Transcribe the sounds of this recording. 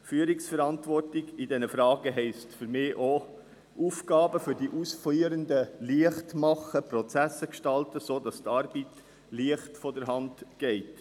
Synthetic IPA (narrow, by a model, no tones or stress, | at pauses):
fyːəɾiksfɛɾɑntʋɔrtɪɡidɛnəfɾɑːɡəɦɛɪstfʏɾmɪːʔo | ʔuːfɡɑːbəfʏɾdiʔusfliːəɾəndəliəχtmɑχːəpɾɔt͡sæsːəkʃtɑltəsoːdɑstɑɾbit | liəχtfɔdəɾɦɑndɡ̥ɛɪt